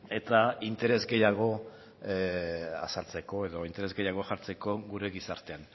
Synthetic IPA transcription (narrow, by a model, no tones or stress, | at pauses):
e̞t̪aint̪e̞ɾe̞zɡe̞jaɣ̞o̞ | a̰salt͡se̞ko̞e̞ðo̞int̪e̞ɾe̞zɡe̞jaɣ̞o̞ʝaɾt͡se̞ko̞ɣuɾe̞ɣisaɾt̪e̞an